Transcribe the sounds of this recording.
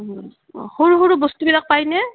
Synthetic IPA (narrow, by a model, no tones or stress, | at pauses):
hoɹuɦoɹubɔstubilak̚pajnɛ